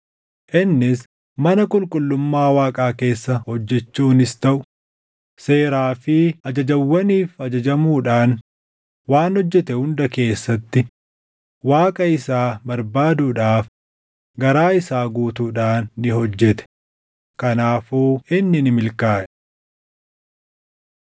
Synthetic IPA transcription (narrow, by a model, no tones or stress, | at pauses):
ʔɪnːɪs | mɐnɐkʼʊlkʼʊlːʊmːaːwaːkʼaːke̞ːsːɐhɔd͡ʒːɛt͡ʃːuːnɪst̪ɐʔʊ | se̞ːɾaːfɪɐd͡ʒɐd͡ʒɐwːɐniːfɐd͡ʒɐd͡ʒɐmuːᶑaːn | waːnhɔd͡ʒːɛt̪ɛhʊnd̪ɐke̞ːsːɐt̪ːɪ | waːkʼɐɪsaːbɐɾbaːd̪uːᶑaːf | ɡɐɾaːɪsaːɡuːt̪uːᶑaːnːɪɦɔd͡ʒːɛt̪ɛ̥ | kɐnaːfuːɪnːɪnɪmɪlkaːʔɛ